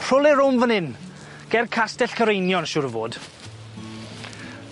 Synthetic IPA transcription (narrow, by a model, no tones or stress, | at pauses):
r̥ʊlˠɪɾʊmvənɪn | ɡ̥ɛr̚kʰastɛɬkʰəɾejnjɔnʃʊɾəvo̰ːd̥